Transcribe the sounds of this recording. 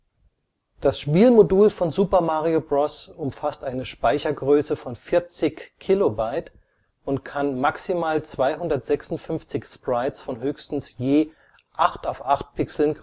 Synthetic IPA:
d̥asʃpiːlmoduːlfɔnzuːpɐmaʁiobʁɔsʊmfastʔaɪnəʃpaɪçɐɡʁøːsəfɔnfɪɐt͡sɪçkʰːilobaɪt | ʊntkʰanmaksimaːlt͡sv̥aɪhʊndɐtz̥ɛksʊntfʏnft͡sɪçspʁ̥aɪtsfɔnɦøːçstn̩sjeː | ʔaχtaʊfʔaχt̚pʰɪksl̩n

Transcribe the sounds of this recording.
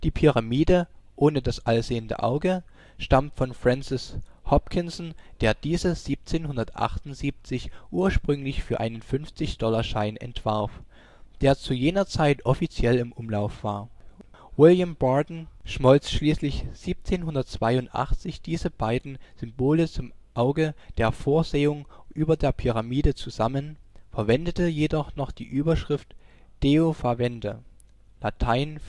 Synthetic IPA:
d̥iːpʰyʁamiːdəʔoːnədasʔalzeːəndə̰ʔa̰ʊɡə | ʃtamtfɔnfʁ̥ɛnsɪshɔpkʰɪnsn̩d̥eːɐd̥iːzəz̥iːp̚t͡seːnɦʊndɐtʔa̰χtʊnz̥iːp̚t͡sɪçʔuːɐʃpʁ̥ʏŋlɪçfyːɐʔa̰ɪnənfʏnft͡sɪçd̥ɔlaʃaɪnʔɛ̰ntv̥aɐf | d̥eːɐt͡sujeːnɐt͡saɪtʔɔfit͡sjɛlɪmʔʊmlaʊfv̥aːɐ | wɪljambaːdn̩ʃmɔlt͡sʃliːslɪçz̥iːp̚t͡seːnɦʊndɐtt͡sv̥aɪʊntʔa̰χt͡sɪçd̥iːzəb̥aɪdn̩z̥ʏmboːlət͡sʊmʔaʊɡəd̥eːɐfoːɐzeːʊŋʔyːbɐdeːɐpʰyʁ̞amiːdət͡suzamənfɛɐvɛndətəjedɔχnɔχd̥ḭːʔyːbɐʃʁ̥ɪftd̥eofavɛndə | latʰaɪn

